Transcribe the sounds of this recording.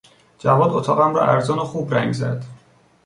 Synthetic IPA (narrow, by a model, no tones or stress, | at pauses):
d͡ʒævɒːd̪ot̪ʰɒːɣæmɾɒ̰ːʔæɾzɒːnoxuːbɾæŋɡzæ̰d̪̥